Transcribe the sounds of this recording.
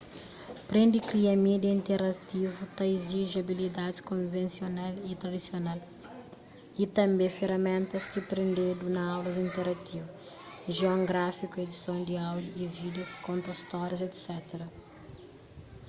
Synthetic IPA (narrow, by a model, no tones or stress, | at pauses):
pɾẽnd̪ikɾiɐmid̪ɐĩnt̪eɾɐt̪ivut̪ɐiziʒɐbilid̪ad̪skõvẽnsionalit̪ɾɐd̪isional | it̪ɐ̃mbẽfeɾɐmẽnt̪ɐskipɾẽnd̪ed̪unɐawlɐzĩnt̪eɾɐt̪ivu | ʒeõŋɡɾafikued̪isõw̃d̪iawd̪juivid̪eokõnt̪ɐst̪ɔɾjɐzet̪sɛt̪eɾɐ